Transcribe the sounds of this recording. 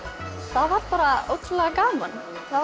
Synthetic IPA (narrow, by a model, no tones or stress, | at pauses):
θaðvaɾt̪paːɾao̰wt̪ʰlɛɣakaːman | θa